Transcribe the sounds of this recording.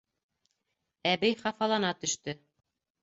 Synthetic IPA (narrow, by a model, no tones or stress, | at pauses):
æbɘjχɑfɑlˠɑnɑt̪ɵ̆ʃt̪ɵ